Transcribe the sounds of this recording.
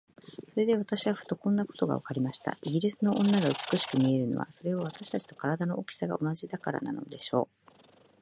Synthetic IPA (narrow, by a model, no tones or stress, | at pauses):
so̞ɾe̞d̪e̞β̞at̪aɕiβaɸɯ̟̥t̪o̞kõ̞nːako̞̥t̪o̞ɡa̰βakaɾʲimaɕi̥t̪a̰iɡʲiɾʲisɨno̞ʔõ̞nːaɡaɯ̟t͡sɨ̥kɯ̟ɕi̥kɯ̟mʲie̞ɾɯ̟no̞̰βa̰so̞ɾe̞βaβ̞at̪aɕi̥t̪at͡ɕi̥t̪o̞̥kaɾad̪ano̞ʔokʲi̥saɡa̰ʔo̞naʑid̪akaɾa̰na̰no̞̰d̪e̞ɕo̞̰ː